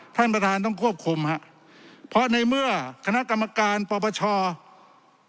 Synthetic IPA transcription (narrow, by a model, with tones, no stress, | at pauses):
t̪ʰa˥˩npɾa˧t̪ʰaː˧nt̪̬ɔː˥˩ŋkʰu˥˩əp̚kʰu˧mha˦˥ʔ | pʰɔ˦˥na˧jmɯ˥˩ɐkʰa˧na˦˥ʔka˧mːa˧kaː˧npɔː˧pʰɔː˧t͡ɕʰɔː˧